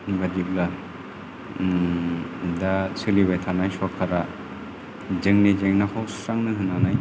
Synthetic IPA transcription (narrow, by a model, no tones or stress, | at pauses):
badip̚la | dasɯlibajtʰanajswɔkʰːaɾa | d͡ʒɯŋnid͡ʒeŋnakʰawsɾaŋnɯɦɯnanaj